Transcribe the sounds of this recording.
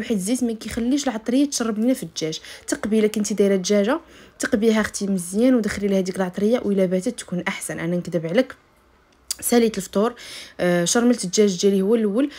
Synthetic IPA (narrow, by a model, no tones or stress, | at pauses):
wħəd̪zismækixælːiʃəlʕɑt̪ˤɾəjːat̪ʃɑrˤːɑbninæfid̪ʒæʒt̪ɑqbiləkənt̪id̪iɾæd̪ʒæʒat̪əqbiɦæxt̪iməzjænwd̪əxlilhæd̪ikəlʕɑt̪ˤɾəjːawʔəlæbæt̪ət̪ːkunʔaħsænʔænænkd̪əbʕlək | sælit̪əlft̪ˤuɾ | ʃɑɾˤməlt̪əd̪ʒæʒd̪ælihəwːælʔwːəl